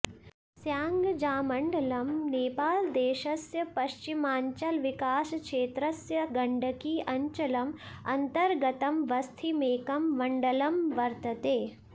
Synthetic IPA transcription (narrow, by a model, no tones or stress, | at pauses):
sjaːŋɡd͡ʒaːmɐɳɖɐlɐmneːpaːld̪eːʃɐsjɐpɐʃt͡ʃimaːɲt͡ʃɐlʋɪkaːskʃeːt̪ɾɐsjɐɡɐɳɖɐkiʔɐɲt͡ʃɐlɐm | ɐnt̪ɐɾɡɐt̪ɐmʋɐst̪ʰimeːkɐmʋɐɳɖɐlɐmʋɐɾt̪ɐt̪eː